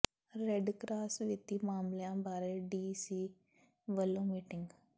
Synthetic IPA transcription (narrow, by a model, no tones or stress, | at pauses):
ɾeɖkɾaːsʋɪt̪iːmaːmljãːbaːɾeɖiːsiː | ʋəlːõːmiːʈɪŋɡ